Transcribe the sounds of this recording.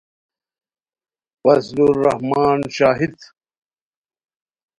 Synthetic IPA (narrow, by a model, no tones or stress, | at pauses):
wɐsluːɐhmaːnɕaːɦid̪